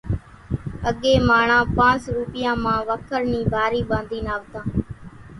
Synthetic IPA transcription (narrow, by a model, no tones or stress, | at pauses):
əɠeːmaːɳãːpãːt͡ʃɾuːpɪjãːmãːʋəkʰəɾniːbʱaːɾiːɓãːnd̪iːnaːʋt̪ãː